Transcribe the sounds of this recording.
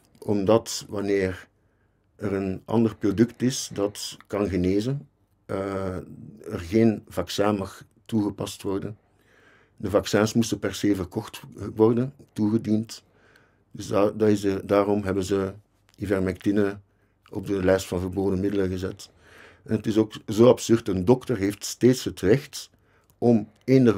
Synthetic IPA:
ʔɔmdɑtʋɑneːr | ɛrənɑ̰ndərprodʏktɪsdɑtkɑnɣəneːzən | ə | ərɣeːnvɑksɛnmɑx | tuɣəpɑstʋɔrdən | dəvɑksɛnsmustəpɛrseːvərkɔxtʋɔrdəntuɣədint | dsdədaːrɔmɦɛbənzə | ivɛrmɛk̚tɪnə | ɔ̰b̚dəlɛstfɑnvərboːdəmɪdələɣəzɛt | ɛnətɪsoːkzoːɑpsʏrtəndɔktərɦeːftsteːtshɦətrɛxt | ɔm | ɪnə

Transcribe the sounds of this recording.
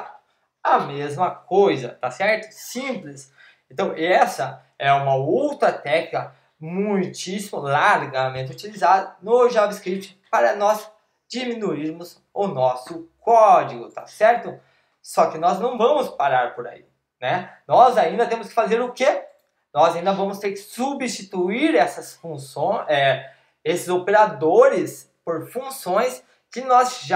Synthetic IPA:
ɐmezmɐkojzɐ̰t̪asɛɾt̪ʊ̥sĩplɪs | ẽnt̪ɐ̃w̃ɛsɐ | ɛũmɐuwt̪ɾɐt̪ɛkikɐ | mũj̃t͡ʃisimʊlaɾɡɐmẽt͡ʃ̪ɪʊt͡ʃilizad̪ɐnʊʒavɪskɾip̚t͡ʃɪ̥paɾɐnɔz | d͡ʒiminuiɾmʊz | ʊnɔsʊkɔd͡ʒiɡʊt̪a̰sɛɾt̪ʊ | sɔkɪnɔznɐ̃w̃vɐ̃mʊspaɾaɾpoɾa̰ḭ | nɛnɔzaĩnd̪ɐt̪ẽmʊskɪ̥fazeɾʊke | nɔzaĩnd̪ɐvɐ̃mʊst̪eɾkɪ̥subist͡ʃit̪uiɾɛsɐsfũsõɛ | esɪzopeɾad̪oɾɪs | poɾfũsõj̃s | kɪnɔzʒa

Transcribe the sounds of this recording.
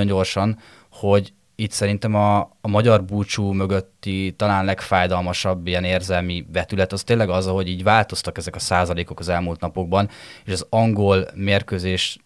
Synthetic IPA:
o̞ɲɟo̞rʃɒn | ho̞ɟ | it̪sɛɾint̪ɛmɒːmɒɟɒrbuːt͡ʃuːmø̞ɡøt̪ːit̪ɒlaːnlɛkfaːjd̪ɒlmɒʃɒbːijɛneːrzɛlmivɛt̪ylɛt̪ɒst̪eːnlɛɡɒzɒɦo̞ɟiːɟvaːlt̪o̞st̪ɒkɛzɛkɒsaːzɒleːko̞kɒzɛlmult̪nɒpo̞ɡ̚bɒneːʃɒzɒŋɡo̞lmeːrkøːzeːʃ

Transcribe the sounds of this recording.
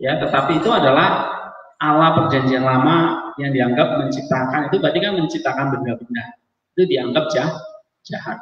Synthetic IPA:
jat̪ət̪apiːt̪uadalah | ʔalapərd͡ʒaɲd͡ʒianlamajaŋdiaŋɡap̚məɲt͡ʃip̚t̪akanit̪ubadikanməɲt͡ʃip̚t̪akanbəduabənah | it̪udiaŋɡap̚d͡ʒah | d͡ʒaha̰t̪̚

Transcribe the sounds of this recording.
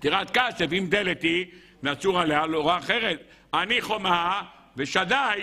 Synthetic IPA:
t̪iʁat̪̚kasefimd̪elet̪i | veat͡suʁalealoʁaːχeʁet̪̚ | aniχo̞ma | veʃad̪aj

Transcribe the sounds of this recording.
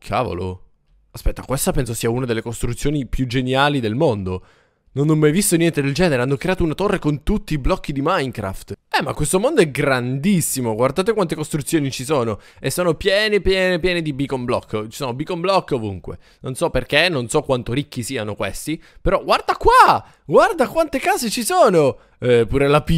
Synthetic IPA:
kʰa̰ːvo̰lo̰ | aspɛt̪ːakwest̪apɛnsosiːaunad̪elːekost̪ɾut̪sːjoːnipjud͡ʒenjaːlid̪elmond̪o | nonːomːajvist̪onjɛnt̪ed̪eld͡ʒɛːneɾeanːokɾeaːt̪ounat̪orːekont̪ut̪ːiːblɔkːid̪imajŋkɾa̰ft̪ɛmːakwest̪omond̪oɛɡɾand̪isːimoɡward̪aːt̪ekwant̪ekost̪ɾut̪sːjoːnit͡ʃisoːno | esːoːnopjɛːnepjɛːnepjɛːned̪ibikomblɔ̰kːt͡ʃi̥soːnobikomblɔkːovuŋkwḛ | nonsɔpːerkenːonsɔkːwant̪oɾikːisiːanokwḛst̪ipeɾɔɡward̪akwa | ɡward̪akwant̪ekaːzet͡ʃisoːno | ɛpuːɾelapi

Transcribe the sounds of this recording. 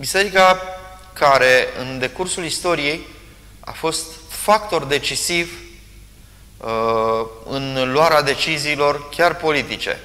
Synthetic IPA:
bise̞ɾika | kaɾe̞ɨ̰nd̪e̞kursulist̪o̞ɾije̞j | a̰fo̞st̪fakt̪o̞rd̪e̞t͡ʃisiv | ɨnloaɾead̪e̞t͡ʃiziːlo̞rkʲarpo̞lit̪it͡ʃe̞̰

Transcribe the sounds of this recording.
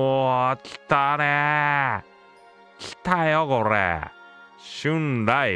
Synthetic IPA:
oki̥t̪ane | ki̥t̪ajokoɾḛ | ɕɯnɾai

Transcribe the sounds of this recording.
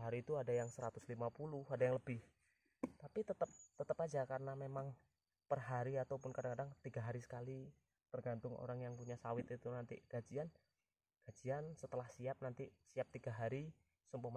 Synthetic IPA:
ɦaɾiːt̪uadajaŋsəɾat̪ʊslimapulʊhadajaŋləbɪh | t̪apit̪ət̪əp̚t̪ət̪əpad͡ʒakaɾənamemaŋ | pərɦaɾiat̪awpʊnkadaŋkadaŋt̪iɡaɦaɾisə̥kali | t̪ərɡant̪ʊŋo̰ɾaŋjaŋpuɲasawɪt̪it̪unant̪ḭɡ̥ad͡ʒian | ɡ̥ad͡ʒiansət̪əlahsiap̚nant̪isiap̚t̪iɡaɦaɾi | səmpɔma

